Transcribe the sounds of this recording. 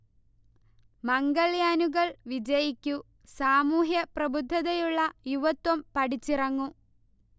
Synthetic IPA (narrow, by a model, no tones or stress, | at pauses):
mɐŋɡɐɭjaːnuɣɐɭʋid͡ʑɐjikʲːu | saːmuːɦjɐprɐbud̪ʱːɐðɐjuɭːɐjuʋɐt̪ːwɐmpɐɽit͡ɕːirɐŋːu